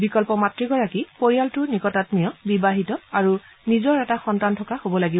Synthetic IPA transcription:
bikɔlpɔmatɹiɡɔɹakipoɹijaltʊnikɔtatmijɔbibaɦitɔaɹu | nizɔɹɛtaxɔntantʰɔkaxobɔlaɡi

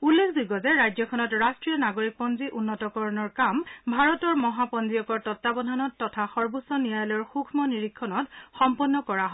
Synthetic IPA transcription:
ulːekʰzuɡɔzɛɹajd͡ʒɔkʰɔnɔtɹastɹijɔnaɡoɹik̚pɔnziʔunːɔtɔkɔɹɔnɔɹkambʱaɹɔtɔɹmɔɦapɔnziɔkɔɹtɔtːabɔdʱanɔtːɔtʰaxɔɹbusɔnijajlɔɹxukʰmɔniɹikʰːɔnɔtxɔmpɔnːɔkɔɹaɦɔ

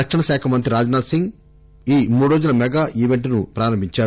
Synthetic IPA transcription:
ɐkʂɐɳɐʃaːkʰɐmɐnt̪ɾiɾaːd͡ʒnaːsiŋɡ | iːmuːɽɾoːd͡ʒunɐmɛɡaːʔiːʋeɳʈnupɾaːɾɐmbiɲt͡ʃaː

